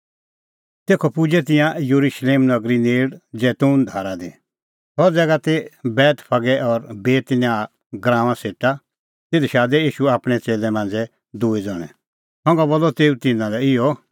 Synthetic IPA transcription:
t̪eːkʰɔpud͡ʒɛt̪̬ɪ̃jãjoɾuʃleːmnɐɡɾineːɽd͡zɛːt̪uːnd̪ʱaːɾad̪i | hɔd͡zɛːɡat̪ebɛːt̪pʰɐɡɛʔɔɾbeːt̪njaː | ɡɾãːʋ̃ãseːʈa | t̪ed̪ʃaːd̪ɛiːʃuaːpɽ̃ɛt͡seːlɛmãːnd͡zɛ | d̪uːid͡zɔɽ̃ɛ̰ | hɔ̃ŋɡɔbolːɔt̪eːut̪ɪnãlɛɪjɔ

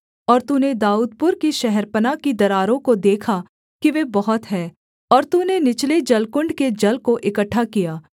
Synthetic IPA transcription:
ɔːɾt̪uned̪aːuːd̪̚pʊɾkiʃɛɦɛɾpənakid̪ɐɾaːɾõkod̪eːkʰa | kiʋebɐɦʊt̪ɦɛː | ɔːɾt̪unenɪt͡ʃled͡ʒɐlkʊ̃ɳɖked͡ʒɐlkoʔɪkəʈʰːakijaː

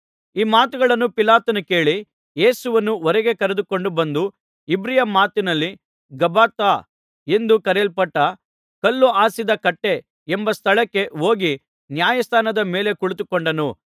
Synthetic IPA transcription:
iːmaːt̪uɡɐɭɐnːupilaːt̪ɐnuke̞ːɭi | je̞ːsuʋɐnːuɔɾeɡe̞kɐɾed̪uko̞ɳɖubɐnd̪u | ibɾijɐmaːt̪inɐlːi | ɡɐbaːt̪ːaː | e̞nd̪ukɐɾelpɐʈːɐ | kɐlːuaːsid̪ɐkɐʈːe̞ː | mbɐst̪ʰɐɭɐkːe̞o̞ːɡi | njaːjɐst̪ʰaːnɐd̪ɐme̞ːle̞kuɭut̪ukoɳɖɐnu

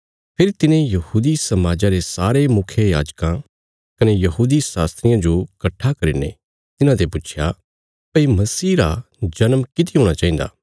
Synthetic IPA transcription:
pʰɪɾit̪ɪnẽjɐhuːd̪isɐmaːd͡ʒaɾesaːɾemʊkʰjejaːd͡ʒkã | kɐnejɐɦuːd̪isaːst̪ɾɪjãd͡ʒokɐʈʰːakɐɾinḛ | t̪ɪnãt̪epʊt͡ʃʰja | pɐimɐsiːɾa | d͡ʒɐnmkɪt̪̬iɦõːɽ̃at͡ʃãːĩːnd̪a̰ː

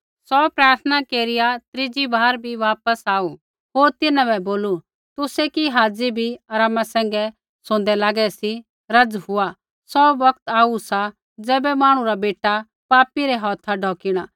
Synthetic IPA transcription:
sɔːpɾaːɾt̪ʰnakeːɾɪjat̪ɾɪd͡ʒibʱaːɾbʱiʋaːpəsaːu | ɦoːɾt̪ɪnãbɛboːlu | t̪ʊsɛkiɦaːd͡zibʱiɐɾaːmasɛ̃ːŋ̆ɡɛ | sõːnd̪ɛlaːɡɛsi | ɾɐd͡zhʊa | sɔbɐk̚t̪aːusa | d͡zɛːbɛmaːɽ̃ũɾabeːʈa | paːpiɾɛɦɔːt̪ʰaɖʱɔːkɪɽ̃aː

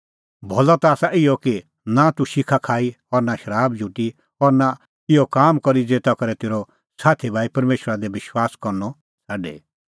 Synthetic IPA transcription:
bʱɔlɔt̪aaːsaʔɪjɔki | nat̪uʃɪkʰakʰaːi | ɔɾnaʃɐɾaːbd͡ʒʱuʈi | ɦɔɾna | kɪɔkaːmkɔɾid͡zeːt̪akɐɾɛt̪eːɾɔ | saːt̪ʰibʱaːipɐɾmeːʃɾad̪ɛʋɪʃwaːskɔɾnɔ | saːɖḛ

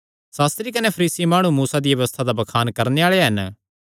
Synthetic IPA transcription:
saːst̪ɾikɐnepʰɐɾiːsimaːɽ̃ũmuːsad̪iʋɐʋəst̪ʰad̪abɐkʰaːnkɐɾneaːɭeɦɐn

